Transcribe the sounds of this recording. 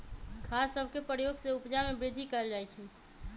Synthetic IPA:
kʰasəbʱkepəjoɡseupd͡ʒamebɾid̪ʱikəɛld͡ʒajt͡ʃʰɛ

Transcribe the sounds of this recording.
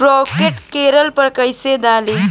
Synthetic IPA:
ɾɔːkeʈkeːɾəlpəɾkəjsed̪aːliː

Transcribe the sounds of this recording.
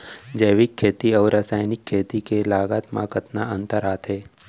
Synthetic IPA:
d͡ʒəːʋɪkʰːeːt̪iɔːɾaːsaːjnɪkʰːeːt̪ikelaːɡaːt̪mã̰kət̪naə̃nt̪əɾaːt̪ɦɛː

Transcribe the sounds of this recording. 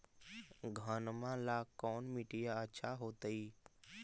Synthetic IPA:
ɡʱənmãlakɔːnmiʈijaətːʃʰaɦoːt̪əi

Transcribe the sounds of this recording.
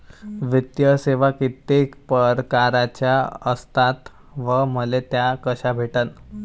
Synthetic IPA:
ʋit̪jəseʋakit̪ekpəɾkaɾat͡ɕjaəst̪at̪ | ʋəməlet̪jakəɕabʱeʈən

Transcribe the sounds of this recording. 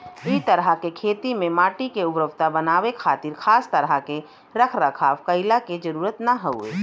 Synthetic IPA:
it̪əɾəkekʰeːt̪imẽmaːʈikeʊbɾəʋt̪abənaːʋekʰaːt̪iːɾkʰaːst̪əɾəke | ɾəkʰɾəkʰaːfkəɪlaked͡ʒəɾuːɾət̪naɦəʊḛː

